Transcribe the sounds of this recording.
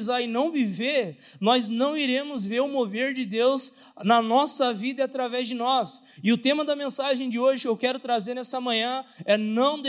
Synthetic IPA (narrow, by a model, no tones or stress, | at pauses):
zaɪnɐ̃w̃viveɾ | nɔznɐ̃w̃iɾẽmʊzveɾʊmoveɾd͡ʒɪd̪ewz | nɐnɔsɐvid̪ɐat̪ɾavɛzd͡ʒɪnɔs | ɪʊt̪ẽmɐd̪ɐmẽsaʒẽj̃d͡ʒɪoʒɪewkɛɾʊt̪ɾazeɾnɛsɐmɐ̃ɲ̃ɐ̃ɛnɐ̃w̃d̪